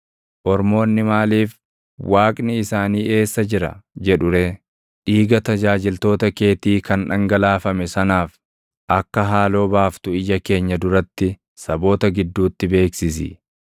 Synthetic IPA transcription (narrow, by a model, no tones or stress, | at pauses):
ʔɔɾmo̞ːnːɪmaːliːf | wʔaːkʼnɪɪsaːniːʔe̞ːsːɐd͡ʒɪɾɐ̰d͡ʒɛᶑʊɾeː | ᶑiːɡɐt̪ɐd͡ʒaːd͡ʒɪlt̪o̞ːt̪ɐke̞ːt̪iːkɐnᶑɐŋɡɐlaːfɐmɛsɐnaːf | ʔɐkːɐɦaːlo̞ːbaːft̪ʊɪjɐke̞ːɲːɐd̪ʊɾɐt̪ːɪ | sɐbo̞ːt̪ɐɡɪd̪ːuːt̪ːɪbe̞ːksɪsɪ̰